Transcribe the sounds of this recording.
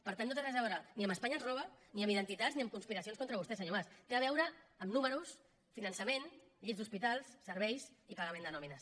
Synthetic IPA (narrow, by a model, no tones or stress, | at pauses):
pəɾt̪anːot̪eɣɾazaβɔɾaniəməspaɲaənzrɔβəniəmiðənt̪it̪azniəmkunspiɾɐsionskont̪ɾəβust̪ɛsəɲomast̪eaβ̞ɛwɾəːmnuməɾus | finənsəmenʎizd̪uspit̪alˠsːəɾβɛjsipaɣɐmẽnd̪ənɔminəs